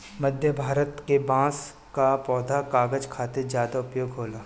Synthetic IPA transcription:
məd̪ʱjəbʱaːɾət̪kebãːs | kapɔːd̪ʱakaːɡəd͡ʒkʰaːt̪eɾzjaːd̪aʊpjoːɡɦoːlaː

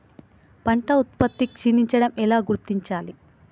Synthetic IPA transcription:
pɐɳʈɐut̪̚pɐt̪ːikt͡ʃiniɲt͡ʃɐɽɐmɛlaːɡuɾt̪iɲt͡ʃaːli

